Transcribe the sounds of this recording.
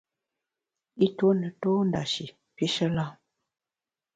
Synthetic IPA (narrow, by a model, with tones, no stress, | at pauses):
i˦to˦nə˨toː˦n˨da̰˨ʃi˨ | pi˦ʃə˦la˦